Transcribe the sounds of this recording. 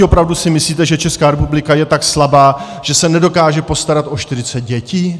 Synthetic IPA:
opɾavdusɪmɪsliːt̪ɛʒɛt͡ʃɛskaːɾɛpublɪkajɛt̪akslabaː | ʒ̥ɛsɛnɛdo̞kaːʒɛpo̞st̪aɾat̪ʔo̞ʃt̪ɪɾɪt͡sɛt̪̚ɟɛciː

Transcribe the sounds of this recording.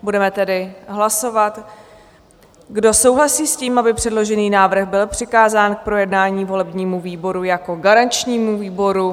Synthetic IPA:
budɛmɛt̪ɛdɪɦlaso̞vat̪ | ɡdo̞so̞wɦlasiːsciːmabɪpr̝̥ɛdlo̞ʒɛniːnaːvr̩ɣbɪlpr̥ɪkaːzaːnk̚pɾo̞jɛdnaːɲiːvo̞lɛbɲiːmuviːbo̞ɾujako̞ɡaɾant͡ʃɲiːmuviːbo̞ɾu

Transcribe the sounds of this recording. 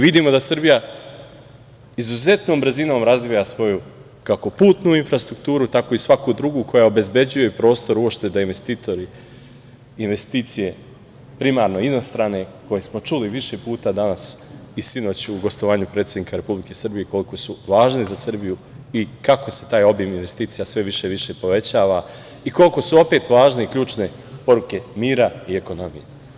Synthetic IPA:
ʋid̪imo̞d̪asr̩bija | izuze̞t̪noːmbɾ̩zino̞ːmɾazʋijasʋo̞ju | kako̞puːt̪nuinfɾast̪ɾuk̚t̪uːɾut̪akoisʋakud̪ɾuɡukʰo̞jaobe̞zbe̞d͡ʑuje̞pɾo̞ːst̪o̞ɾuopʃt̪e̞d̪ainʋe̞st̪iːt̪o̞ɾiː | nʋe̞st̪iːt̪sije̞ | pɾimaɾno̞inost̪ɾaːne̞ko̞jesmo̞t͡ʃuliʋiʃe̞puːt̪ad̪anasisino̞ːt͡ɕuɡo̞st̪oʋaːɲupɾet̪sʲed̪niːkaɾe̞publike̞sɨrbijeko̞liko̞suʋaːʒnizasr̩biju | ikako̞se̞t̪aːjo̞bjeminʋe̞st̪iːt̪sijasʋe̞ʋiʃe̞ʋiʃe̞po̞ʋe̞t͡ɕaːʋa | iko̞liko̞suo̞pe̞t̪ʋaːʒneikʎuːt͡ʃne̞ | po̞ɾuke̞miːɾaie̞ko̞no̞mḭje

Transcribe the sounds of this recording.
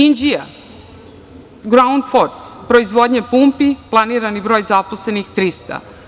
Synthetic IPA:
ind͡ʒia | ɡɾaund̪foɾspɾo̞izʋo̞d̪ɲepumpiplˠaniːɾanibɾo̞ːjzaposle̞nixt̪ɾist̪a̰

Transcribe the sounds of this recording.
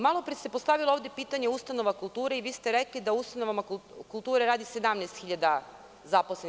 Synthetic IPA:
malˠo̞pɾisepo̞st̪aʋilˠooʋvd̪jepiːt̪aɲe̞ust̪ano̞ʋakulˠt̪uːɾeiʋiːst̪eɾeklid̪aust̪anoʋamakulˠt̪uːɾeɾaːd̪ised̪amnɛst̪xiʎad̪a | zaposlen

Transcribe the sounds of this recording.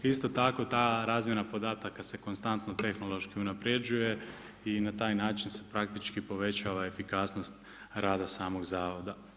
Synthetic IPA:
ist̪o̞t̪ako̞t̪aːɾaːzmjenapo̞d̪aːt̪akase̞ko̞nst̪ant̪no̞t̪e̞xno̞lˠo̞ʃkiunapɾe̞d͡ʒuje̞ | inat̪aːjnaːt͡ʃinse̞̥pɾak̚t̪it͡ʃkipo̞ʋe̞t͡ɕaʋae̞fikaːsno̞st̪ | ɾaːd̪asaːmo̞ɡzaːʋo̞d̪a

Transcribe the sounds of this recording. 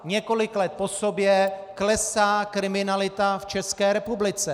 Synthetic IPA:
ɲɛko̞lɪklɛt̪̚posobjɛklɛsaːkɾɪmɪnalɪt̪aft͡ʃɛskɛːɾɛpublɪt͡sɛ

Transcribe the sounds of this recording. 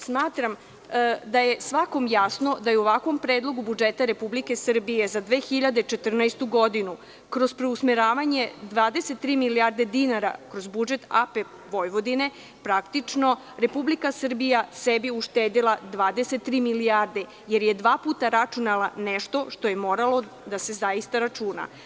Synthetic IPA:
smaːt̪ɾam | d̪ajesʋako̞mjasno̞d̪ajeuoʋakʋo̞mpɾeːd̪lˠo̞ɡubud͡ʒet̪aɾe̞publike̞sr̩bije̞zad̪ʋeːxiʎad̪et͡ʃet̪r̩najst̪uɡo̞d̪inu | kɾo̞zpɾeusmeɾaːʋaɲe̞d̪ʋaːd̪eset̪ːɾiːmilijaɾd̪e̞d̪inaɾa̰kɾo̞zbud͡ʒe̞t̪a̰pe | ʋo̞jʋo̞d̪ine̞ | pɾakt̪it͡ʂno̞ | ɾe̞publikasər̩bijasebiuʃt̪eːd̪ilˠad̪ʋaːd̪ese̞t̪ːɾiːmilijaɾd̪e | jeɾje̞d̪ʋaːpuːt̪aɾat͡ʃunalˠaneʃt̪o̞ʃt̪o̞je̞mo̞ɾalˠo̞ | d̪ase̞zaist̪aɾat͡ʃuːna̰

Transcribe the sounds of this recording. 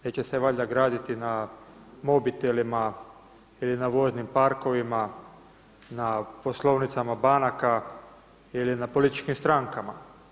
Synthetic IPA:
ne̞ːt͡ɕe̞seʋaʎaɡɾaːd̪it̪ina | mo̞bit̪elima | ilinaʋo̞znimpaɾko̞ʋima | napo̞slˠo̞ʋnit̪samabanaka | ilinapo̞lit̪i̥t͡ʃkimst̪ɾaŋkama̰

